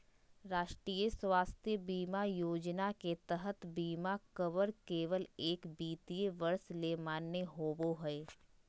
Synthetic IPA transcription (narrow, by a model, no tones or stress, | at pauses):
ɾaːʃʈɾiːjəswaːst̪ʰjəbiːmajoːd͡ʒnaket̪əɦət̪biːmakəʋəɾkeːʋəleːkbiːt̪iəʋɐɾslemaːnːeɦoːboɦɛe